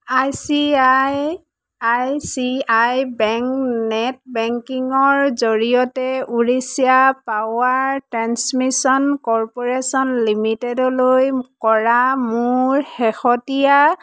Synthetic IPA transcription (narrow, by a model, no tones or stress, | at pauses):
ajsiaj | ajsiajbɛŋknɛtbɛŋkiŋɔɹzoɹijɔtɛuɹisijapawaɹtɹansmisɔnkɔɹpɔɹesɔnlimitedɔlojkɔɹamʊɹxɛxɔtija